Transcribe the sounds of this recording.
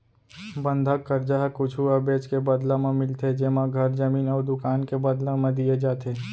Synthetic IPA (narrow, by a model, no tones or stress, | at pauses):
bə̃nd̪ʱəkːəɾd͡ʒaɦkʊt͡ʃʰuɐbeːd͡ʒkebɐd̪lãmẽmɪlt̪ed͡ʒemãɡʱɐɾzəmiːnɔːɾd̪ʊkaːnkebɐd̪lãmẽd̪ied͡ʒaːt̪eː